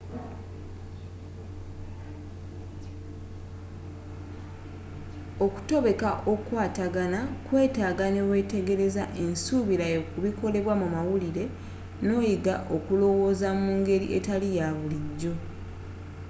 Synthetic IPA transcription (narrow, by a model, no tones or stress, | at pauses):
o̞ku̥to̞βe̞kaʔo̞kwaːtaɡanakwe̞ːtaːɡane̞we̞ːte̞ɡe̞ɾe̞zaʔe̞nsuβiɾajokuβiko̞le̞βwamumawuliɾe̞ | no̞ːjiɡa̰ʔo̞kulo̞wo̞ːzamuːŋɡe̞ɾḭʔe̞̰talijaβuliɟːo̞